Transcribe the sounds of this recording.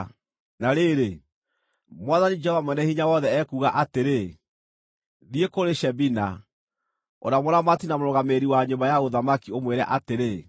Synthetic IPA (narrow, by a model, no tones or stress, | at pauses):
naɾeɾe | mwaðanid͡ʒɛhɔvamwɛnɛhiɲawɔðɛɛkuɣaʔateɾe | ðiekoɾeʃɛbina | o̰namoɾamatinamoɾɔɣameɾiwaɲombajaɣoðamakiomweɾɛ̰ʔateɾe